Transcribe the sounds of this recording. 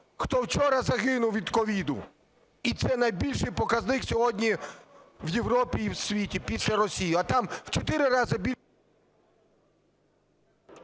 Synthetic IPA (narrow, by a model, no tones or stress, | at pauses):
xt̪ɔwt͡ʃɔɾɐzɐɣɪnʊwʋʲid̪kɔʋʲid̪ʊ̰ | it̪sɛnɐjbʲilʲʃɪjpɔkɐznɪxsʲɔɦɔdʲnʲi | wjewɾɔpʲiːwsʲʋʲitʲipʲisʲlʲɐɾɔsʲijʊɐt̪ɑmwt͡ʃɔt̪ɪɾɪɾɑzɪbʲi